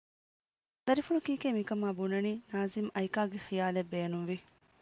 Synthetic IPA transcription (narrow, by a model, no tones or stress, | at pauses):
d̪̥ɐɾifuɳukiːkeːmikɐmaːbunɐniːnaːzimɐjkaːɡexijaːlebeːnunʋi